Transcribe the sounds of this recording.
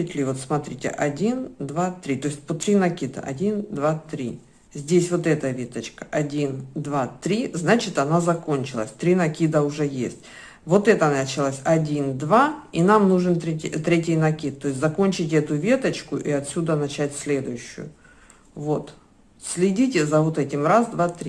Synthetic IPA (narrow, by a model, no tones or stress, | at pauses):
ɪtʲlʲɪvo̞t̪smɐt̪ɾʲitʲɪ̰ʔɐdʲind̪vat̪ɾʲit̪o̞ɪsʲt̚ʲpət̪ɾʲinɐkʲid̪ə̰ʔɐ̰dʲind̪vat̪ɾʲi | zʲdʲesʲvo̞t̪ɛt̪əvʲet̪ət͡ɕkə̥ʔɐdʲind̪vat̪ɾʲiznat͡ɕɪt̪ɐnazɐkonʲt͡ɕɪlˠə̰sʲt̪ɾʲinɐkʲid̪əʊʐɛjesʲtʲ | vo̞t̪ɛt̪ənɐt͡ɕɪlˠasʲɐdʲind̪vainamnuʐɨnt̪ɾʲetʲt̪ɾʲetʲɪjnɐkʲit̪ːo̞ɪsʲtʲzɐko̞nʲt͡ɕɪtʲɛt̪ʊvʲe̞t̪ət͡ɕkʊʔiɐt̪sʲud̪ənɐt͡ɕætʲsʲlʲe̞d̪ʊjʉɕːʊ̰jʊ̰ | vo̞t̪ | sʲlʲɪdʲitʲɪzɐvot̪ɛtʲɪmrazd̪vat̪ɾʲi